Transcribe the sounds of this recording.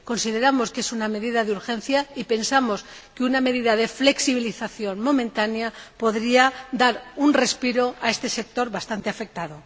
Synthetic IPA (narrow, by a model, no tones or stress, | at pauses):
ko̞nsiðe̞ɾamo̞ske̞suname̞ðiðaðeuɾxe̞nθjaipe̞nsamo̞s | keuname̞ðiðað̞e̞fle̞ksiβ̞iliθaθjo̞nmo̞mẽnt̪anjapo̞ðɾiad̪aɾunre̞spiɾo̞ae̞st̪e̞se̞k̚t̪o̞ɾβast̪ant̪eafe̞k̚t̪að̞o̞